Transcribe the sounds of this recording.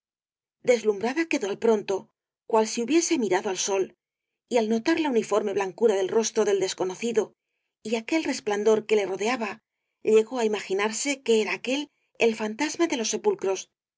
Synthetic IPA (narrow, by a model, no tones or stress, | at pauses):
d̪e̞zlumbɾaðake̞ðo̞alpɾo̞nt̪o̞ | kwalsiuβje̞se̞miɾaðoalso̞l | ialno̞t̪aɾlaunifo̞ɾme̞βlaŋkuɾað̞e̞lro̞st̪ɾo̞ðe̞ld̪e̞sko̞no̞θiðo̞ | iake̞lre̞spland̪o̞ɾke̞le̞ro̞ðe̞aβa | ʎe̞ɣo̞aimaxinaɾse̞ke̞eɾaːke̞l | elfant̪azmaðe̞lo̞sːe̞pulkɾo̞s